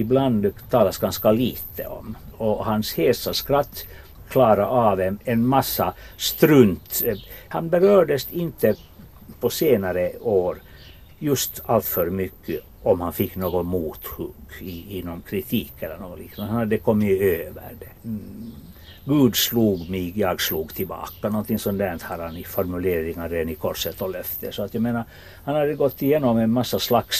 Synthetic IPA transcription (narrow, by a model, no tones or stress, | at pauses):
ɪbland̪t̪ʰɑːlasɡanskaliːt̪ʰə̰ɔ̰mɔhansheːsaʂkɾat̪ː | kʰlɑːɾaʔavɛnɛnmasːast̪ɾɵnt̪hanbɛɾøːɖəsɪnt̪ə | pʰɔseːnaɾəoːɾ | jɵst̪alt̪fœɾmʏkʰːə | ɔmhanfɪkːnoːɡɔnmuːt̪hʉɡɪɪnːɔmkʰɾɪt̪ʰiːkɛlːə̰ɳnoːɡɔnlɪ̰knand̪hanad̪ːɛkʰɔmːɪøːvə̰ɾɖɛ | ɡʉ̟ːd̪sluːɡmɪɡjɑːɡsluːɡt̪ʰɪlbɑ̰ːkanɔnt̪ɪŋsɔmd̪ænt̪haɾhanɪfɔɾmʉleːɾɪŋaɾeːd̪anɪkʰɔʂət̪ɔlœft̪əsɔat̪jɑmeːnaɾ | hanhad̪ːəɡɔt̪ːɪjeːnɔmɛnmasːaslaks